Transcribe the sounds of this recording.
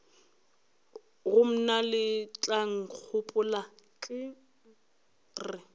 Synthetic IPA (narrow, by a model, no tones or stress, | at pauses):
ɣʊm̩nalɪt͡ɬʼaŋ̩q͡χʰʊpʼʊlakʼɪ | rɪ